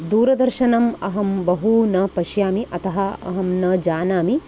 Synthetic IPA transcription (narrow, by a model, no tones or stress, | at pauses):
d̪uːɾɐd̪ɐɾʃɐnɐmɐɦɐmbɐɦunɐpɐʃjaːmiʔɐt̪ɐɦɐɐ̰ɦɐmnɐd͡ʒaːnaːmi